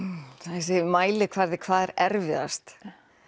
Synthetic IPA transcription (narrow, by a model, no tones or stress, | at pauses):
θasɪmaːjlɪkʰvaɾðɪkʰvaːðɛɾɛɾvɪða̰st̪